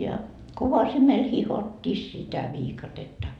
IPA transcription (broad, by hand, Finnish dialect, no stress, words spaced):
jɑ koʋɑsimel hihotʲːiː sitæ ʋiːkɑtetːɑ